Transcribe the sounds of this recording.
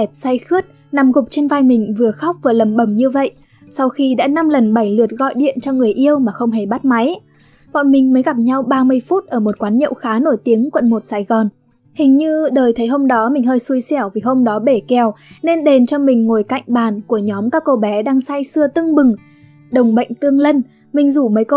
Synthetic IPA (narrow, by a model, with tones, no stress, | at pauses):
ɛ˨˩p̚sa˧jxɨ˦˥ət̚ | na˨˧˩mɣʊ˨˩k͡p̚t͡ɕe˧nvaː˧jmï˨˩ŋ̟vɨ˨˩əxa˦˥wk͡p̚vaː˨˩lə˨˩mɓə˧˩mɲɨ˧və̰˧˨j | sa˧wxi˧ɗa̰ː˧˥na˧mlə˨˩nɓa˧˩jlɨ˨˩ət̚ɣɔ̰˧˨jɗḭ˧˨ənt͡ɕɔ˧ŋɨ˨˩əjʔi˧əwmaː˨˩xə˧wŋ͡mɦe˧˩ɓa˦˥t̚ma˨˦j | vɔ̰˧˨nmï˨˩ŋ̟məː˨˦jɣa˨˩p̚ɲa˧wɓaː˧mɨ˧əjfu˦˥t̚ʔəː˧˩mo˨˩t̚kwaː˨˦nɲə̰˧˨wxaː˨˦no˧˩jt̪i˨˦əŋkwə̰˧˨nmo˨˩t̚saː˧˩jɣɔ˨˩n | hï˨˩ŋ̟ɲɨ˧ɗəː˨˩jt̪ʰə˨˦jɦo˧wŋ͡mɗɔ˨˦mï˨˩ŋ̟ɦəː˧jsu˧əjsɛ˧˩wvi˨˩ɦo˧wŋ͡mɗɔ˨˦ɓe˧˩kɛ˨˩wne˧nɗe˨˩nt͡ɕɔ˧mï˨˩ŋ̟ŋo˨˩jka̰˧˨jŋ̟ɓaː˨˩nku˧˩əɲɔ˨˦mkaː˦˥kːo˧ɓɛ˨˦ɗaː˧ŋsa˧jsɨ˧ət̪ɨ˧ŋɓɨ˨˩ŋ | ɗə˨˩wŋ͡mɓə̰˧˨jŋ̟t̪ɨ˧əŋlə˧n | mï˨˩ŋ̟zu˧˩məː˨˦jk